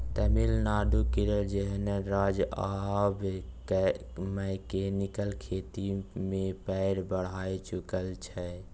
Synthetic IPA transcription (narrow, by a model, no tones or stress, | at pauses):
t̪əmilnaːɖ̪ukiɾəd͡ʒəɦnəɾad͡ʒabk | mɛɪkenikəlkʰet̪imẽpɛɾbəɽ̤aːjt͡ʃʊkəlt͡ʃʰɛ